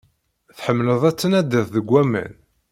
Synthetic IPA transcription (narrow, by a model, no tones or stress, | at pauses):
θħəmːləðˤæt͡sːənæd̪ːiðˤðəɡʷæmə̰n